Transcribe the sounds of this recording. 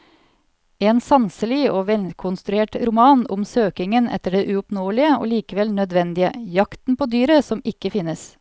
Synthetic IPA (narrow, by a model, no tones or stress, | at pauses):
eːnsɑnsəlɪoːʋɛlkʰʊnst̪ɾʉeːʈɾʊmɑːnʊ̰msøːkɪŋənʔɛ̰t̪ːəɖeːʔʉʊpnoːəlɪəo̰ːliːkəʋɛlnœd̪ʋɛnd̪ɪə̰jɑkt̪n̩pʰoːd̪yːɾəsɔmɪkːəfɪnːəs